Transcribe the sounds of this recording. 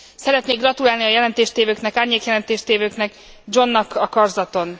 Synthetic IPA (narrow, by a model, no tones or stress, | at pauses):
sɛɾɛt̪neːɡrɒt̪ulaːlniɒjɛlɛnt̪eːʃt̪eːvøːknɛkaːrɲeːkjɛlɛnt̪eːʃt̪eːvøːknɛɡ | d͡ʒo̞nːɒkɒkɒrzɒt̪o̞n